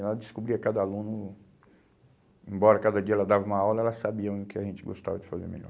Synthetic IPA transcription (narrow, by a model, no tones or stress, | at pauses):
ald͡ʒɪskubɾiɐkad̪ɐalũnʊ | ẽbɔɾɐkad̪ɐd͡ʒiɐɛlɐd̪avɐumɐawlɐɛlɐsabiɐ̃ʊkɪaʒẽnt͡ʃɪɡo̰st̪a̰vɐd͡ʒɪfazḛmḛʎɔ̰ɾ